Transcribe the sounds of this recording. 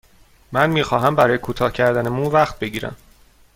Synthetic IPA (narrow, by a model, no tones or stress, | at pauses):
mænmiːxɒːɦæmbæɾɒːjekʰuːt̪ʰɒːhcʰæɾd̪ænemunvæxt̪̚be̞ɟiːɾæ̰m